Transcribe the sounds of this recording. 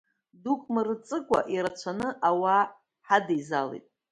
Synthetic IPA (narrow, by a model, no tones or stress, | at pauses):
dukʼmɨrɨt͡sʼɨkʷʼa̰ʔiɾat͡ɕʷʰanɨʔawa | ħadejzalḛjtʼ